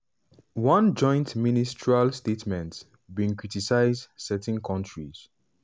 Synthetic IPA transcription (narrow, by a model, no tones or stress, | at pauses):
wʌ̃nd͡ʒɔ̃j̃ntministɹalstetmɛ̃nt | bĩŋkɹitisaɪzdsɛtɪ̃nkʰɔ̃ntɹiz̥